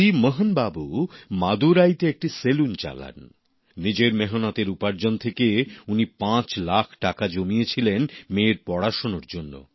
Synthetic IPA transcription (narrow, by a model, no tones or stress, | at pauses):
iməɦənbabumad̪uɾajt̪eek̚ʈiselunt͡ɕa̰la̰nː | id͡ʑeɾmeɦonat̪eɾupaɾd͡ʑont̪ʰekeunipãt͡ɕlakʰʈakad͡ʑomiet͡ɕʰilenmeɾpɔɽaʃonoɾd͡ʑonːo̰